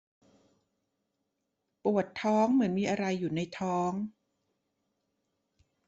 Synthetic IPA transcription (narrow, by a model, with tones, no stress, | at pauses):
pu˨˩ət̪ʰːɔː˦˥ŋmɯ˩˦ənmiː˧ʔa˧ɾa˧jːuː˨˩na˧jt̪ʰɔː˦˥ŋ